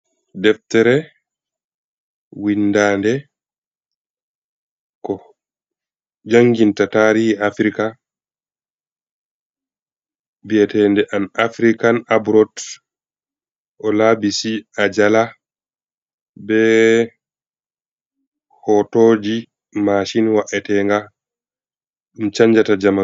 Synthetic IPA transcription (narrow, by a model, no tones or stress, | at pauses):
dɛftɛɾɛ | windaːndɛ | kɔ | d͡ʒaŋɡintataɾihiafɾika | biɛtɛndɛʔanafɾikanabɾɔt | ʔɔlabisiad͡ʒala | bɛ | hɔtoːd͡ʒi | maʃinwaʔɛtɛŋɡa | mit͡ʃaɲd͡ʒatad͡ʒama